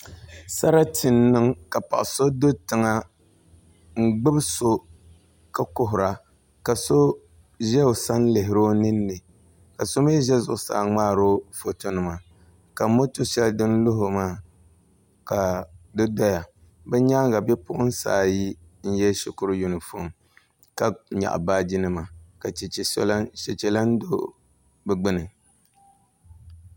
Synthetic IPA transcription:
sa˦ɾa˦tɪ˨nːɨ˦ŋka˨pa̰˨ʔso˦do˦tɨ˨ŋa˦ | ŋ͡m̩˦ɡ͡bɨ˦bso˦ | ka˦kʊ˦ɦʊ˨ɾa˨ | ka˨so˦ | ʒɛ˦o˨sa˦n˦lɪ˨ɦɪ˨ɾo˦nɨ˦nːɨ˨ | ka˨so˦me˦ʒɛ˦zʊ˨ʔʊ˨sa̰˨˦˨ŋ͡maː˦ɾo˦fo˨to˦nɨ˨ma˨ | ka˨˦mo˦to˦ʃɛ˦ldɨ˦n˦lʊ˦ɦʊ˨maː˦˨ | ka˨dɨ˦dɔ˦ja˨ | bɛ˦ɲaː˦ŋɡa˨bɛ˦pʊ˦ʔʊ˦n̩˦sa̰ː˨ji˦ | n̩˦jɛ˦ʃɪ˨kʊ˦ɾju˨nɨ˨fo˦˨m | ka˦ɲa̰˨ʔbaː˦d͡ʒi˦nɨ˦˨ma˨ka˨˦ʃɛ˨t͡ʃɛ˨la˦n˦do˦ | bɛ˨ɡ͡bɨ˦nɨ˨

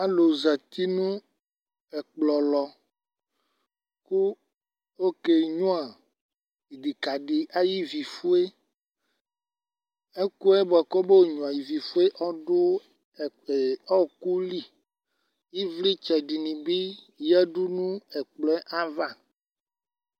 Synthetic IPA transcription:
a˦lo˨za˨t̪i˦nũ˦ | ɛ˨k͡plɔ˨lɔ˨ | ku˦ | wo˦ke˨ɲũ˦a˨ | i˨di˨ka˨ɖi˨ʔa˦ji˦vi˨fu˦e˦ | e˦ku˦ɛ˦bɛ˨kɔ˦be˦wo˨ɲũ˨a˨ji˨vi˨fu˦e˦ʔɔ˦ɖo˦˨ | ɔ˦ku˦li˦ | ji˦vli˦t͡ʃɛ˨ɖi˨nĩ˨bi˦ | jɛ˦ɖu˦nũ˦ɛ˨k͡plɔ˦ɛ˦ʔa˦va˦˨

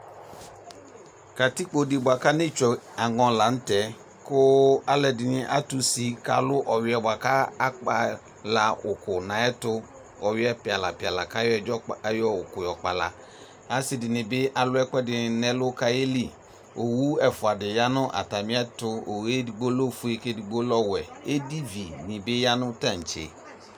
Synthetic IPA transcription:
ka˨ti˦k͡po˨di˨bʊ˨a˨ka˦nɪ̃˦t͡ʃɛ˨a˨ŋɔ̃˨la˨n̩˦tɛ˨˦ | kʊ˦a˦lɛ˨dɪ˨nɪ˦ʔa˦tu˨si˨ka̰˨lʊ˦ʔɔ˨wɪ˨˦ɛ˨ba˨ka˦a˦k͡pa˨ | la˨ʊ˨kʊ˨nã˨ɛ˦tʊ˦ | ɔ˨ɥɪ˦ɛ˦pɪ˨a˨la˨pɪ˨a˨la˨ka˦jɔ˦ɛ˨d͡ʒɔ˦jɔ˦ʊ˨kʊ˨jɔ˨k͡pa˨la̰˨ | a˦sɪ˨dɪ˨nɪ̃˨bɪ˦ʔa˨lʊ˦ɛ˦kɛ˦dɪ˨nɛ̃˦lʊ˦ka˦e˦li˦ | o˨wu˦ɛ˨fʊ˨a˨dɪ˨ja˦nʊ̃˦ʔa̰˨ta˨mɪ̃˦ɛ˦tʊ˦o˨we˦i˨ɡ͡bo˦lo˦fu˨e˦ke˦dɪ˨ɡ͡bo˦lɔ˦wɛ˨e˦di˦vi˨nɪ̃˨bɪ˦ja˦nʊ̃˦tã˦˨n̩˨t͡ʃḛ˨

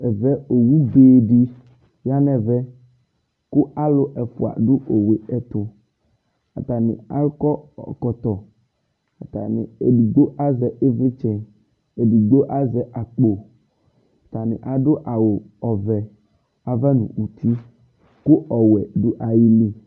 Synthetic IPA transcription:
ɛ˨vɛ˦o˨wu˦beː˨ɖi˦ | ja˦nɛ̃˨vɛ˦ | kʊ˦a˦lʊ˦ʔɛ˨fʊ˨a̰˨ɖʊ˦ʔo˨we˨ɛ˦t̪ʊ˨ | a˨t̪a˨nɪ̰̃˨a̰˦kɔ˦ɔ̰˨kɔ˨t̪ɔ˨ | a˨t̪a̰˨nɪ̰̃˨e˨di˨ɡ͡bo˦ʔa˦zɛ˨e˦vɪ˦t͡ʃɛ˦ | e˨di˨ɡ͡bo˦ʔa˦zɛ˨ʔa˨k͡po˨ | a˨t̪a˨nɪ̰̃˨ʔa˨ɖʊ˦ʔa˨wo˨ | ɔ˨vɛ˨ | a˨vɛ˦nṵ̃˨wu˨t̪ʰi˦ | kʊ˦ɔ˨wɛ˨ɖʊ˦ʔa˨ji˦li˨

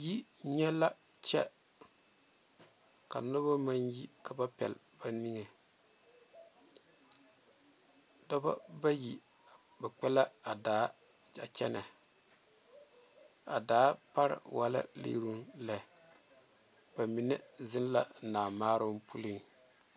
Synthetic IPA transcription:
ji˦ɲɛ˦la˦ | t͡ʃɛ˦ | ka̰˨no˦ba˦ma˦nji˦kʰa˨ba˦pɛ̰˨l | ba˨ni˦ŋe˨ | dɔ˦ba̰˦ba˦ji˨ | ba˨k͡pɛ˦la˦a˨daː˨˦ | a˨t͡ʃɛ˦na˨ | a̰˨daː˨˦pa˦ɾɪ̰˨wa˦la̰˦lḛ˦ɾu˦nlɛ˦˨ | b̥a˨mi˨nɛ˦zɪ˦n˦la˨naː˨maː˦ɾʊ˦mpu˦li˦˨ŋ

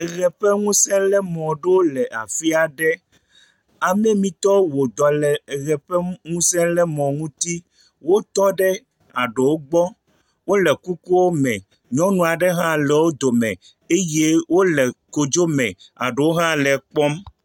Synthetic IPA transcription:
ɣɛ˨ɸɛ˦ŋũ˦sɛ̃˦lɛ˦mɔ̃˨ɖe˦wo˦lɛ˨ʔa̰˨fi˦a˨ɖɛ˦ | a˨mɛ̃˦mĩ˦t̪ɔ˦wo˨d̪ɔ˨lɛ˨ɣɛ˨ɸɛ˦ŋũ˦sɛ̃˦lɛ˦mɔ̃˨ŋũ˦t̪i˦ | wo˦t̪ɔ˦ɖɛ˦ | a˨ɖe˨wo˦ɡ͡bɔ˦ | wo˦lɛ˨ku˦ku˦wo˦mɛ̃˨ | ɲɔ̃˦nũ˨a˨ɖɛ˦ɦã˦lɛ˨wo˦d̪o˨mɛ̃˨ | e˦je˦wo˦lɛ˨ko˨d͡ʒo˦mɛ̰̃˨a̰˨ɖe˨wo˦ɦã˦lɛ˨k͡pɔ˦m

